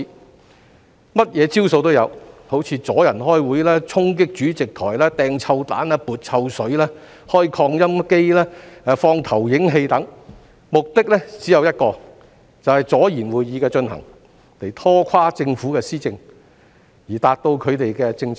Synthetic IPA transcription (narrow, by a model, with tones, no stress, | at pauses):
mɐ˥t̚jɛː˨˧t͡siː˥wso˧wt̪o˥wjɐ̰˨˧who˨˥wt͡sʰiː˨˧t͡sɔː˨˥jɐ˨˩nhɔː˥jwuː˨˥jlɛː˥t͡ʃʰʊ˥ŋkɪ˥k̚t͡ʃyː˨˥t͡sɪ˨k̚t̪ʰɔː˨˩jlɛː˥t̪ɛː˨˧ŋt͡sʰɐ˧wt̪a̰ː˨˥nɛː˥puː˨t̚t͡sʰɐ˧wsɵ˨˥ɥlɛː˥ | hɔː˥jkʰɔː˧ŋjɐ˥mke˥jlɛː˥˨˧fɔː˧ŋt̪ʰɐ˨˩wjɪ˨˥ŋɦe˧jt̪ɐ˨˥ŋ | mʊ˨k̚t̪ɪ˥k̚lɛ˥t͡siː˨˥jɐ˨˧wjɐ˥t̚kɔː˧ | t͡sɐ˨whɐ˨jt͡sɔː˨˥jiː˨˩nwuː˨jːiː˨˧kɛː˧t͡ʃɵ˧nhɐ̰˨˩ŋ | le˨˩jt̪ʰɔː˥kʷʰaː˥t͡sɪ˧ŋfuː˨˥kɛː˧siː˥t͡sɪ˧ŋ | jiː˨˩t̪aː˨t̚t̪o˧wkʰɵ˨˧ɥt̪e˨jkɛ˧t͡sɪ˧ŋ